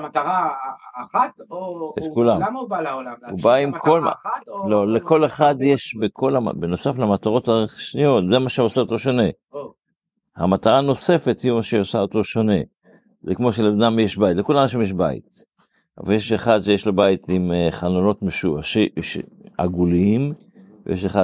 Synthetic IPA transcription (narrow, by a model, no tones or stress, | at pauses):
t̪aʁa | tet̪kulam | ubaimkʰolalo̞leko̞leχadjeʃbekʰo̞la̰beno̞saflamataʁo̞taʃnijo̞tzemaʃeosaoto̞ʃone̞ | ha̰mat̪aʁano̞se̞fethimaʃeosaoto̞ʃone̞ | zekmo̞ʃelenamjeʃbajitlekulamʃ̬emjeʃ̬ba̰ḭt̪ | a̰valjeʃeχad̪ʃejeʃlebait̪imχanono̞tmeʃuaʃiʃḛa̰ɡuliim | vḛjeʃeχa